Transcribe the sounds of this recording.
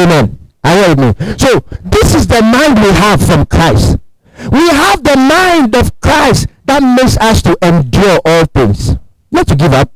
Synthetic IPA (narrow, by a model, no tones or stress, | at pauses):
mɛ̃naɪhɛɾɪt̚misoðɪsɪzðəmãɪ̃ndwiəv̥fɹɔ̃mkʰɹ̥aɪst | wiɦavðəmãɪ̃ndɔv̥kʰɹ̥aɪstðat̚meksʌstʰuʔɛ̃ndjɔɹʔɔlˠθɪ̃ŋs | nɔtʰːuɡivʌp̚